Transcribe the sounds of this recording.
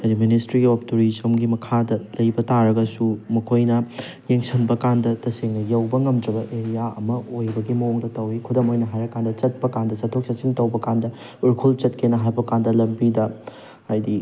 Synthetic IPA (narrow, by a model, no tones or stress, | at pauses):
ɐdiministɾiɡiop̚tuɾisɐmɡimɐkʰadɐlɐjbɐtaɾɐɡɐsumɐkʰojnɐ | jeŋsɐnbɐkandɐtɐseŋnɐjɐwbɐŋɐmdɾɐbɐʔeɾijaɐ̰mɐojbɐɡimɐoŋdɐtɐwikʰudɐmojnɐɦajɾɐkːandɐt͡ʃɐt̚pɐkandɐt͡ʃɐtʰːok̚sɐt͡ʃiŋtɐwbɐkandɐ | uɾkʰult͡ʃɐt̚kʰenɐɦajbɐkandɐlɐmbidɐ | ajdi